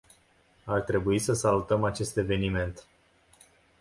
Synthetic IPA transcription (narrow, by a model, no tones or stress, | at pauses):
art̪ɾe̞buisəsalut̪əmat͡ʃe̞st̪e̞ve̞nime̞nt̪